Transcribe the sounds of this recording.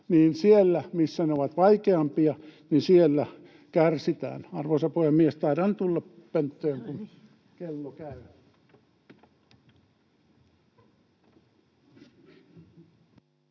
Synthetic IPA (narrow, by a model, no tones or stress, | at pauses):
niːnsielːæmisːæneoʋɑt̪ʋɑikeɑmpiɑninsielːæ | kærsit̪æ̰ːnɑrʋosɑpoiemmiest̪ɑirɑnt̪ulːɑppent̪ːøːŋkun | kelːokæyæ